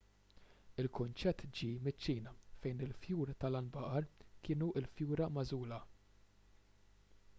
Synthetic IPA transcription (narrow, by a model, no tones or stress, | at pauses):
ɪlkʊnt͡ʃɛt̪ːd͡ʒiːmɪt͡ʃːiːnɐfɛjnɪlfjuːɾt̪ɐlɐnbɐʔɐɾkʰɪːnuʔɪlfjuːɾɐmɐzuːlɐ